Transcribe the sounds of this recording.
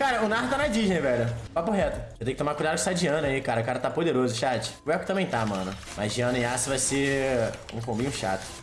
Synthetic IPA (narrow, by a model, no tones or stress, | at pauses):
kaɾɐʊnaht̪anad͡ʒiʒẽj̃vɛʎʊpapʊɦɛt̪ʊset̪ẽkɪt̪õmaɾkujd̪ad̪d͡ʒɪsad͡ʒiɐ̃nɐikaɾɐkaɾɐt̪apod̪eɾozʊʃat͡ʃɪ̥voɛkt̪ɐ̃mẽj̃t̪amɐ̃nʊ | mazd͡ʒiɐ̃nʊẽasɪvajse | ṵ̃kõbĩɲʊʃa̰t̪ʊ̥